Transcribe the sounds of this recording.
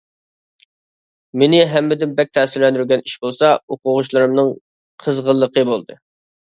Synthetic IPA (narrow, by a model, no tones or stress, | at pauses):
menɪɦɛmːɪd̪ɪnbɛk̚ʲt̪ʰɛːsɪɾlɛnd̪yɾʲɡʲɛniʃbolˠsɑoqʊʁʊʃlˠɨɾɨmnɨŋ | qʰəzʁəlˠːəqəbolˠd̪ɨ